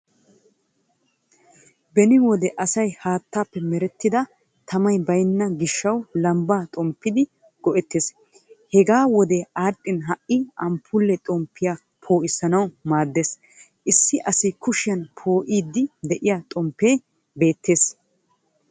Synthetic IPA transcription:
bɛnɪwɔd̪ɛʔɐsɐjhaːt̪ːaːpːɛmɛɾɛt̪ːɪd̪ɐ | t̪ʰɐmɐjbɐjnːɐɡɪʃːɐwlɐmbaːt̪ʼɔmpːɪd̪ɪ | ɡ̥ɔʔɛt̪ːeːs | hɛɡaːwɔd̪eaːɗʼːɪnɦɐʔɪʔɐmpʰːʊlːɛt̪ʼɔmpːɪja | pʰo̞ːʔɪsɐnɐwmaːd̪ːeːs | ʔɪsːɪʔɐsɪkʊʃɪjɐnpʰo̞ːʔiːd̪ːɪd̪ɛʔɪjaːt̪ʼɔmpːe̞ː | be̞ːt̪ːe̞ːs

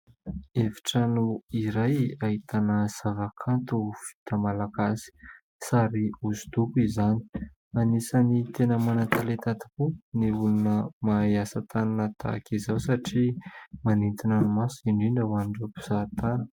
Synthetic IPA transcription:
evi̥ʈ͡ʂanuiɾajaɦit̪anəz̥avakʰant̪uv̥i̥t̪əmalakasi̥ | saɾiuzu̥t̪ukuizani̥ | anisanit̪enəmanat̪alet̪at̪i̥puniulunəmajasat̪ananət̪a̰kizawsaʈ͡ʂimanint̪inanumasiɳɖ͡ʐiɳɖ͡ʐəwanɖ͡ʐapu̥z̥at̪anə̥

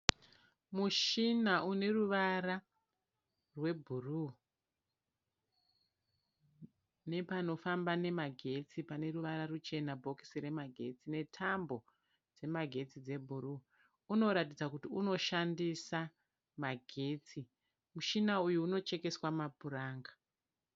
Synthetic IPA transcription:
muʃinaʔune̞ruʋaɾa | rwe̞bʱuru | ne̞pano̞fambane̞maɡʱe̞t͡sipane̞ruʋaɾarut͡ʃe̞nabʱo̞ki̥siɾe̞maɡʱe̞t͡sine̞tʰambo̞ | d͡ze̞maɡʱe̞t͡sid͡ze̞bʱuru | uno̞ɾatid͡zakutiuno̞ʃandisa | maɡʱe̞ːt͡si | muʃinaujuːno̞t͡ʃe̞ke̞swamaburaːŋɡa

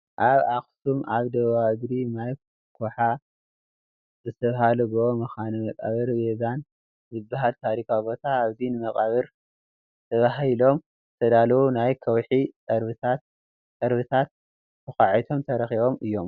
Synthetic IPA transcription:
ʔaβaxsumaβd̪ɐββaɨɡ̪ɾinaj | kʰoħa | zɨt̪ʰɐβɦalɐɡɨomɐxanimɐkʼa̰βɨɾbezan | zɨbːaɦalt̪ʰaɾikʰabo̞t̪ʰaːβzinɨmɐkʼaβɨɾ | t̪ʰɐβaɦilo̞m | ɨt̪ʰɐd̪alɐwunajkʰɐwħikʼɐɾβɨt̪ʰat̪ | kʼɐɾβɨt̪ʰat̪̚ | kɨxaʕit̪ʰo̞mt̪ʰɐɾɐxiβo̞mɨjːo̞m

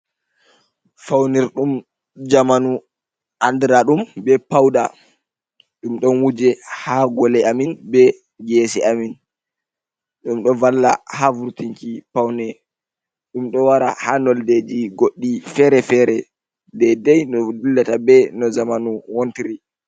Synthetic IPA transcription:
fawniɾɗum | d͡ʒamanu | ʔandɾaɗumbɛpawɗa̰ | ɗumɗɔnwud͡ʒɛhaɡɔlɛaminbɛ | ɡɛsɛamin | ɗumɗɔvalːa̰havuɾtiŋkipawnɛ | ɗumɗɔwaɾa̰hanɔlded͡ʒiɡoɗːifɛɾɛfɛɾɛ | dɛdɛjnɔdulːatabɛnɔzamanuwontiɾi

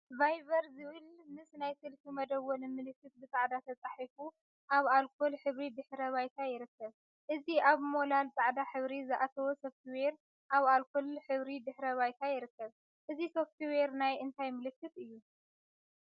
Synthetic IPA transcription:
vajβɐɾzɨβɨlmɨsnajsɨlfimɐd̪ɐwːonɨmɨlɨkːɨt̪̚bɨt͡sʼaʕd̪at̪ʰɐt͡sʼaħifu | ʔaβalkʰo̞lħɨβɾid̪ɨħɾɐβajt̪ʰajɪɾɨkːɐβ | ʔɨziʔaβmo̞lalt͡s̪ʼaʕd̪aħɨβɾizɨʔat̪ʰɐwosoft̪ʰweɾ | ʔaβalkʰolħɨβɾid̪ɨħɾɐβajt̪ʰajɪɾɨkːɐβ | ʔɨziso̞ft̪ʰweɾnajɨnt̪ʰajmɨlɨkʰːɨt̪ɨjːu

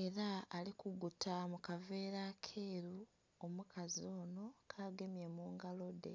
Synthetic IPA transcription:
e̞ɾaːlikuɡutʰamukave̞ːɾakʰe̞ːɾu | omukʰazio̞ːno̞kʰaːɡe̞mjemuːŋɡalo̞de̞̰

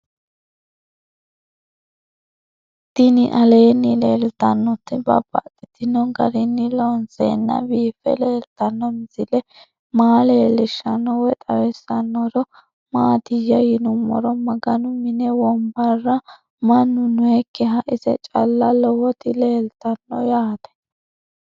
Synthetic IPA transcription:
d̪̥ɪnɪʔɐleːnːɪleːlt̪ɐnːɔt̪ːɪbɐ̰b̥ɐt̪ʼːɪt̪ɪnːɔɡɐɾɪnːɪlɔnsḛːnːɐ̰biːfɛ̰leːlt̪ɐnːɔmɪzɪlɛ | maːleːlɪʃːɐnːɔwɛt̪ʼɐwɛsɐnːɔɾɔ | maːd̪ɪjɐjɪnʊmːɔ̰ɾɔmɐɡɐnʊmɪnɛwɔmbɐrːɐ | mɐnːʊnʊɛkːɛɦɐʔɪzɛ̰t͡ʃʼɐlːɐlɔwɔt̪ɪleːlt̪ɐnːɔjaːt̪ɛ̥

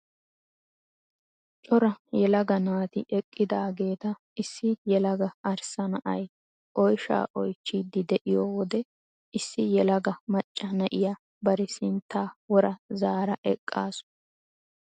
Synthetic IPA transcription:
t͡ʃʼɔɾɐjɛlɐɡɐnaːt̪ɪʔɛkʼːɪd̪aːɡe̞ːt̪ɐ | ɪsːɪjɛlɐɡɐɐɾsɐnɐʔɐj | ʔɔjʃa̰ːʔɔjt͡ʃːiːd̪ːɪd̪ɛʔɪjoːwɔd̪ɛ | ɪsːɪjɛlɐɡɐmɐt͡ʃʼːɐnɐʔɪjɐ | bɐɾɪsɪnt̪ːaːwɔɾɐzaːɾɐʔɛkʼːa̰ːsʊ̥

